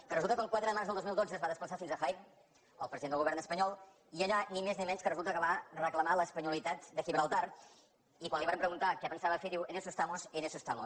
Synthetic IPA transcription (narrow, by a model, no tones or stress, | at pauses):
kərəzulˠt̪əkəŋkwat̪ɾəðəmaɾzðlˠd̪ozmilˠd̪od͡zəzβaðəspləsafinzəxajm | əlˠpɾəziend̪lˠɣuβɛɾnəspəɲɔlˠ | iəʎanimeznimɛnskərəzulˠt̪əkəβarəkləmaləspəɲulit̪at̪d̪əxiβɾalˠt̪ar | ikwanliβaɾəmpɾəɣunt̪akɛpənsaβəfeðiwenesust̪amosenesust̪amos